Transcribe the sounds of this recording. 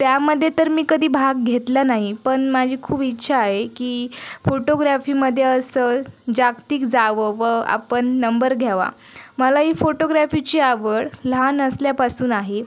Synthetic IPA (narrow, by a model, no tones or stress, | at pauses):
t̪jaməd̪ʱːjet̪əɾmiːkəd̪ʱiːbʱaɡ̚ɡʱet̪lanaɦipəɳmad͡ʑʱiːkʰuːpitːɕʰaːɦekiːfoʈoɡɾafiːməd̪ʱːjeəsəd͡ʑakt̪iːkd͡zaʋəʋəa̰pəɳːəmbəɾɡʱjaʋa̰ | məlaɦiːfoʈoɡɾafit͡ɕiːaʋəɽlanəsljapasuːnaɦe